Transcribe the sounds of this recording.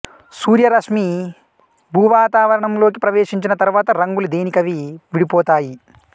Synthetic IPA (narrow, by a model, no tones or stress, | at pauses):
suːɾjɐɾɐʂmi | bʱuːʋaːt̪aːʋɐɾɐɳɐmlo̞ːk̬ipɾɐʋeːʂiɲt͡ʃinɐt̪ɐɾuʋaːt̪ɐɾɐŋɡulud̪e̞ːnikɐʋiʋiɽipɔːt̪aːji